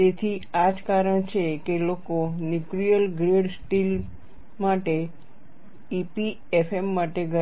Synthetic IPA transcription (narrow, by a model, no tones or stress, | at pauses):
t̪et̪ʰiad͡ʒkaɾəɳ̃t͡ʃʰekelokonjukɾijəlɡɾeɽsʈil | maʈe | ipi | efemːaʈeɡə